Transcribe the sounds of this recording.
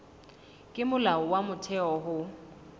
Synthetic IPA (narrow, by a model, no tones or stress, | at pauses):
kʼɪmʊlaɔwamʊtʰɛɔɦʊ